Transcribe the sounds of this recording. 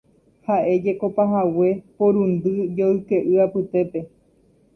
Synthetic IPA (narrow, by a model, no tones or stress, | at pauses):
haʔe̞d͡ʒe̞ko̞paɦawe̞põɾũnd̪ɨd͡ʒoɨke̞ʔɨapɨt̪e̞pe̞